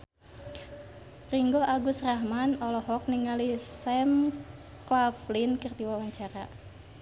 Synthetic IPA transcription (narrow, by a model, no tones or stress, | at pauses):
riŋɡoʔaɡusraɦmanɔlɔɦɔk̚niŋalisɛm | klaflinkirt̪iwawaɲt͡ʃaɾa